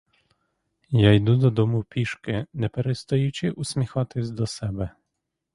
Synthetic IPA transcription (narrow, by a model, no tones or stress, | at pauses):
jajd̪ud̪ɔd̪ɔmupʲiʃkɪnɛpɛɾɛst̪ɔjut͡ʃɪʔusʲmʲɛxɑt̪ɪzʲd̪ɔsɛbɛ